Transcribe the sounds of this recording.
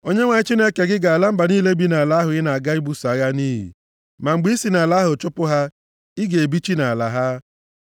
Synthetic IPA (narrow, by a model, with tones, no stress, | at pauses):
o˦ɲe˦ŋʷa˨ɲɪ˦t͡ʃi˦ne˦ke˨ɡɪ˦ɡa˨a˨la˦m̩˦ba˨niː˦le˦bi˦na˨la˦ɦʊ˨ɣɪ˦na˨a˨ɡa˦i˦bu˦sa˨˦ɣa˦niː˦ɦḭ˨ | ma˨ŋ͡m̩˨ɡ͡bi˦si˨na˨la˦ɦʊ˨t͡ʃʊ˦pʊ˦ɦa˦ | ɪ˦ɡe˨e˨bi˦t͡ʃi˦na˨a˨la˨ɦa˦